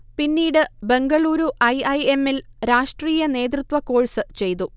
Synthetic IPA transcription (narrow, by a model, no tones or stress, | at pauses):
pinːiːɽɨbe̞ŋɡɐɭuːɾuʔɐjɐjemːilɾaːʂʈriːjɐne̞ːt̪̬rut̪ʋɐkːo̞ːɻisɨt͡ɕe̞jt̪u